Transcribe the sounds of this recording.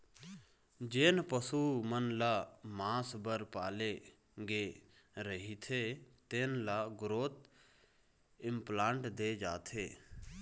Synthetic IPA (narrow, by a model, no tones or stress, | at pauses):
d͡ʒeːnpəsuːmənlaːmãːsbəɾpaːle | ɡeː | ɾəɦit̪ʰet̪eːnlaːɡʊɾoːt̪ | ɪmplaːɳʈd̪eːd͡ʒa̰ːt̪ʰeː